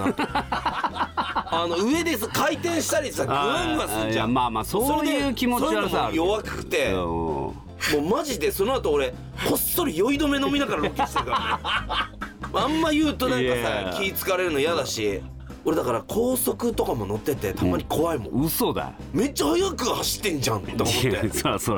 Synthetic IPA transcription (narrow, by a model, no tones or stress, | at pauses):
a̰ | ano̞ɯ̟e̞d̪e̞sakait̪ẽ̞ɰ̃ɕi̥t̪aɾʲisaɡoãŋɯɡasɨɾɯd͡ʑãmaːmasoːsoɾoɯːkʲimot͡ɕsoamojoβakɯ̥kɯ̥t̪e̞ | moːmaʑid̪e̞so̞no̞at̪oːɾe̞ | ho̞st̪oɾɯ̟jo̞id̪o̞me̞no̞mʲinaɡaɾaɾokʲːi̥seka | ãmːajɯ̟ːt̪o̞nãŋkasakʲiːt͡sɨ̥kaɾe̞ɾɯ̟no̞jad̪aɕi | o̞ɾe̞d̪akaɾakʰo̞ːso̞kɯ̟t̪o̞kamo̞no̞t̪ːe̞t̪e̞t̪ʰamaɲ̟ikʰo̞βaimõɯsod̪a̰ | me̞t͡ɕːahojakɯ̟haɕi̥t̪ːẽ̞ɲd͡ʑãnt̪omt̪ːeso